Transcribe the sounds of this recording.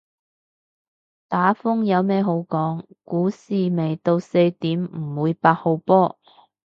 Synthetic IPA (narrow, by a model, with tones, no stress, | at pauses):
t̪aː˨˥fʊ˥ŋjɐ˨˧wmɛː˥ɦo˨˥wkɔː˨˥ŋ | kuː˨˥siː˨me˨˩jt̪o˧wse˧jt̪iː˨˥mm̩˨˩wuː˨˧jpaː˧t̚ho˨˧wpɔː˥